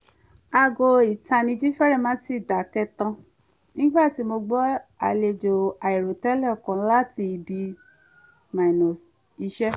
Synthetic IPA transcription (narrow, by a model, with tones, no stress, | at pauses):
a˧ɡo˧i˨ta˨nĩ˧d͡ʒi˦fɛ˦ɾɛ˦˨mã˨˦ti˦˨da˨˦kɛ˧tã˧ | nĩ˦ɡ͡ba˦˨ti˨˦mo˧ɡ͡bɔ˦a˧le˧d͡ʒo˨a˨i˨ɾo˨tɛ˦lɛ˦˨kã˨˦la˦ti˧bi˧˦ | ma˨nɔ̃˨s | i˧˦ʃɛ˦